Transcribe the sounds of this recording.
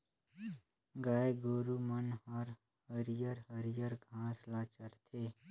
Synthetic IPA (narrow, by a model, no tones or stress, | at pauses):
ɡaːeɡoːɾumɐnɦəɾ | həɾjəɾɦəɾjəɾɡʱãːslaːt͡ʃɐɾt̪ʰe